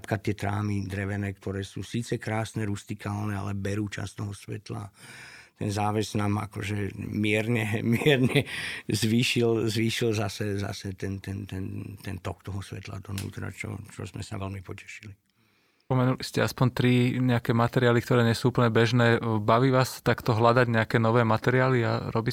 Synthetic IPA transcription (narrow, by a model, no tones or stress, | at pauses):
t̪kat̪ɪɛt̪ɾa̰ːmid̪ɾɛʋɛnɛːk̚t̪ɔɾɛːsuːsiːt͡sɛkɾaːsnɛɾust̪ikʰaːlnɛa̰lɛbɛɾuːt͡ʃa̰st̪ɔɦɔsʋɛ̰t̪la̰ | t̪ɛ̰nzaːʋɛznaːma̰kɔʒɛmɪɛɾɲɛmɪɛɾɲɛzʋiːʃilzʋiːʃilzasɛza̰sɛt̪ɛnt̪ɛnt̪ɛnt̪ɛnt̪ɔkt̪ɔɦɔsʋɛt̪la̰d̪ɔnṵːt̪ɾa̰t͡ʃɔ̰t͡ʃɔ̰zmɛ̰saʋɛlmipɔcɛ̥ʃi̥li | pɔmɛnuliscɛaspɔnt̪ɾiɲɛakɛːmat̪ɛɾɪaːlikt̪ɔɾɛːɲɛsuːupl̩ɲɛbɛʒnɛːbaʋiːʋaːst̪akt̪ɔɦlad̪aɟɲɛakɛːnɔʋɛːmat̪ɛɾiaːliaɾʔɔbiː